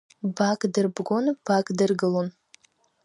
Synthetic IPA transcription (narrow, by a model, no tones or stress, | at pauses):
bakʼdɨrbɡʷonb̥akʼdɨrɡɨlon